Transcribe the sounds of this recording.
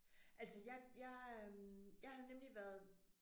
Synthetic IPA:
ʔælsəjɑɪjɑ̈ɪøjɑ̈ɪhɑ̈nemliʋæɐð̞ˠ

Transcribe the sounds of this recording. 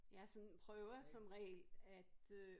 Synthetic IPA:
jɑ̈sɒ̽npʰʁœʊɐsɒ̽mʁɛ̰ːlæd̥

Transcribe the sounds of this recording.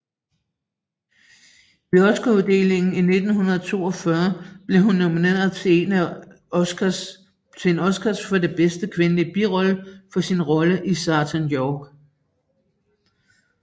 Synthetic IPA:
ʋeɒ̽sɡ̥ɐuðˠd̥e̝̰le̝ŋn̩ine̝d̥n̩hunɐð̞ˠt͡sʰo̝ːɒ̽fɶɐb̥le̝ɦunːominḛːɐðt͡sʰnæ | t͡sʰe̝nɒ̽sɡ̥æsfɒ̽de̝b̥esd̥əkʰʋe̝nəlib̥iʁɒ̽ləfɒ̽sinʁɒ̽ləʔisɑ̈ːt͡sʰænjɒːɡ̥

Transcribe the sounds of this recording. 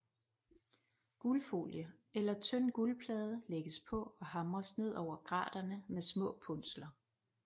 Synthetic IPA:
ɡ̥ulfo̝̰ljə | elɐt͡sʰœn̰ɡ̥ulpʰlɛːð̞ˠəleɡ̥əspʰɒ̽ɒ̽hɑ̈mʁɐsne̝ð̰ˠɒʊ̰ɐɡ̥ʁɑ̰̈ːd̥ɐnəmesmɔ̰̽ːpʰɔnslɐ

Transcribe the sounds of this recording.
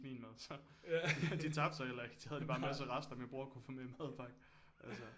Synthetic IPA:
mḭːnmæðˠsɒ̽ | d̥id̥it͡sʰɑ̈b̥̚d̥sɑ̈ɪelɐeɡ̥si̥hæð̞ˠd̥ib̥ɑ̈ːnmæs̬əʁɑsd̥ɐmjäɪb̥ʁuɐkʰufɔːmemæðˠb̥ʰɑ̈ɡ̥ | ʔælsə

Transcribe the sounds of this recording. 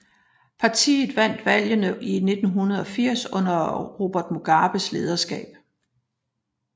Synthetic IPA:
pʰɑ̈t͡sʰḭːð̩ˠʋæn̰d̥ʋæl̰jənəʔine̝d̥n̩ɦunɐð̞̩ˠɒ̽fiɐ̰sɔ̽n̰ɐʁo̝b̥ɐd̥moɡ̥ɑ̈ːb̥əsle̝ːð̞ˠɐsɡ̥ɛ̰ːb̥

